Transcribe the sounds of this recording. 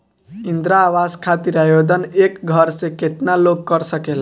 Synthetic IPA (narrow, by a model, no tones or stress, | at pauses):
ind̪ɾaːwaskʰat̪iɾajod̪ənekɡʱʌɾsẽket̪naloɡ̚kʌɾsəkel